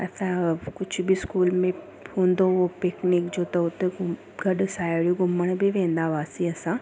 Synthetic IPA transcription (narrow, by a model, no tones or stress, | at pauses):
ɐsãkʊd͡ʑʱʰʊbʱiskuːlmẽ | hũːn̆d̪opeːknikd͡ʑoːt̪ɐʊt̪eɡ | ɡɐɗsaːɽijuɡʊməɽ̃bʱiʋẽːn̆d̪aʋaːsiɐsã